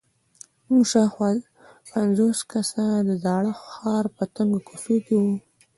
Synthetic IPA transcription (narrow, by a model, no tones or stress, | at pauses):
muʂɑxa | panzoskasad̪əd̪ɑɽəxɑɾpət̪əŋɡokufikewu